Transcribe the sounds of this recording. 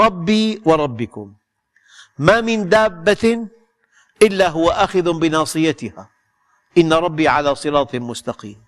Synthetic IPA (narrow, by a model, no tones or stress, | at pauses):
ɾˤɑbːiːwɑɾˤɑbːɪkʊmː | amɪnd̪aːbːa | ʔɪlːaɦʊwaʔaxɪðbɪnɑːsˤɨjat̪ɪha | ʔɪnːaɾˤɑbːiʕalaːsˤɨɾɑːt̪ˤmʊst̪ɑqḭːm